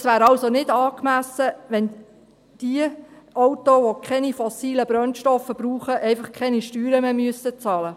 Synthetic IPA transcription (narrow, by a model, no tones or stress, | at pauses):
sʋæːɾɑlsonɪd̥ɑːkmæsəʋɛn | d̥iəʔɔwtoʋokʰɛnifɔsiːləbɾœnʃtɔfəb̥ɾuːχəʔɛɪfɑχkʰɛniʃtyːɾəmemyəsət͡sɑːlə